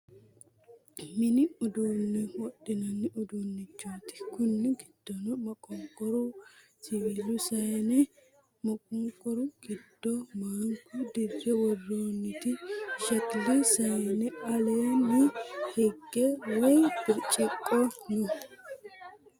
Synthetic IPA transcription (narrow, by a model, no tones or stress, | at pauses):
mɪnɪʊd̪uːnːɛwɔɗɪnɐnːɪʔʊd̪uːnːɪt͡ʃːuːt̪ɪ̥kʊnːɪɡɪd̪̥ːɔnɔmɐkʼɔŋkʼɔɾʊ | sɪilʊsɐjɛnɛ | mɐkʼɔŋkʼːɔɾʊɡ̥ɪd̪̥ːɔmaːŋkud̪ɪrːɛwɔrːoːnːɪt̪ɪʃɐt̪lisɐjɛnɛɐleːnɪhɛɡːɛwɐjbɪɾt͡ʃʼɛkʼːɔnʊ